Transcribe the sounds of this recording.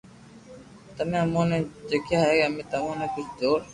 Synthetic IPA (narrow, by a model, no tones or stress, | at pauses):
t̪əmẽːəmõːnẽːd͡ʒekʰjaːɦeəmẽːt̪əmõːnẽːkʊt͡ʃʰd͡ʒoːɾ